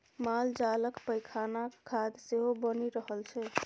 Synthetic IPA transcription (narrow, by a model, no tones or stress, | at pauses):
mald͡ʒaləkpəjkʰanakʰːad̪seɦobəniɾəɦəlt͡ʃʰɛ